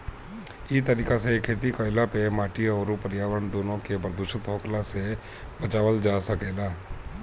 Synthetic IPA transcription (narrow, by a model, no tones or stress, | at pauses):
it̪əɾiːkasekʰːeːt̪ikəɪlapemaːʈiɔɾupəɾjaːʋɾəɳd̪oːnõkebəɾd̪ʊʃət̪ɦoːklase | bət͡ʃaːʋəld͡ʒaːsəkeːlaː